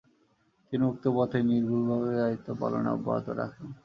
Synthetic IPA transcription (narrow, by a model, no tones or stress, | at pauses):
t̪iniok̚t̪opɔt̪ʰeniɾbʱulbʱaβeait̪ːopa̰lo̰na̰ɔ̰bːa̰ɦo̰t̪oɾa̰kʰen